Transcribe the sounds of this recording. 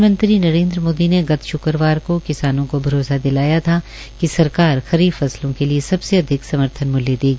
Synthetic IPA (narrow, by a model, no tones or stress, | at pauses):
mə̃nt̪ɾinɐɾẽːnd̪ɾəmoːd̪ineɡɐt̪ʰʃʊkəɾʋaːɾkokɪsaːnõkobʱɐɾoːsad̪ɪlaːjat̪ʰa | kisɐɾkaːɾxɐɾiːbfɐslõkeliesɐbseɐd̪ʱɪksɐməɾt̪ʰənmʊljed̪eːɡiː